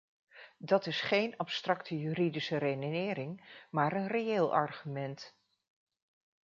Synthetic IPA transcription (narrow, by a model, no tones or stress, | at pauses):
dɑtɪsχejnɑpstrɑktʰəjyɾidisərejnonɪːɾɪŋmaːɾənrejeːlˠʔɑ̰ɹχymɛnt